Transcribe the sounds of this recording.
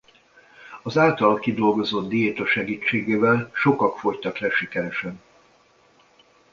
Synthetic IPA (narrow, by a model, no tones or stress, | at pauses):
ɒzaːlt̪ɒlkid̪o̞lɡo̞zod̪d̪ijeːt̪oʃɛɡiːt͡ʃːeːɡeːvɛlʃo̞kɒkfo̞ct̪ɒklɛʃikɛɾɛʃɛn